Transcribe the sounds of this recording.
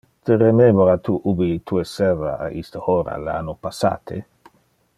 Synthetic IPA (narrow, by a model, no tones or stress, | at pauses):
t̪eremɛmoɾat̪uʔubit̪ʰuesɛraaʔist̪əoɾa̰la̰nːopasa̰ːt̪ʰḛ